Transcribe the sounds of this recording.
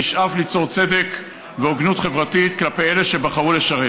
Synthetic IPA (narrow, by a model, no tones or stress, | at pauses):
iʃʔaflit͡so̞ʁt͡se̞d̪e̞k | veoɡnutχe̞vʁatit̪klapejeleʃe̞baχaʁuleʃaʁe